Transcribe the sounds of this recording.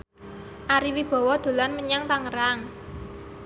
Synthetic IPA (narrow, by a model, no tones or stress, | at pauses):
ʔaɾiwib̥ɔ̤wɔd̪̥o̤lanməɲaŋt̪aŋəɾaŋ